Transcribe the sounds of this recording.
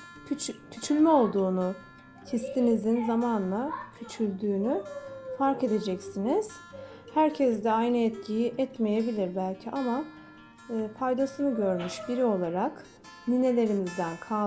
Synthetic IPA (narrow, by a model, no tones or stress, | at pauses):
t͡ʃc̪ʰyt͡ʃʰylʲmɛo̞lˠd̪uːnu | cʰist̪ʰinizinzamanlˠacʰyt͡ʃʰyɾʲd̪yːnyfaɾke̞d̪e̞d͡ʒɛcsiniz̥ | hæɾcʰɛzd̪ɛajnɯɛt̪cʰijiʔɛt̪me̞je̞bilʲiɾbælʲcʰiʔamaː | pʰajd̪asɯnɯɟøɾmyʃbiɾio̞lˠaɾak | nine̞lʲe̞ɾinizd̪ænkʰa